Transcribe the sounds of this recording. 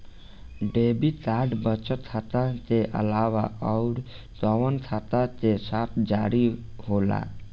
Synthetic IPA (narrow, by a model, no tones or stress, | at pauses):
ɖebit̪aːɖbət͡ʃət̪ʰːat̪at̪eʔə̰laːwa̰ɔʊɾ | t̪ɔwənt̪ʰat̪at̪esaːt̪ʰd͡ʒaɾiɦoːla̰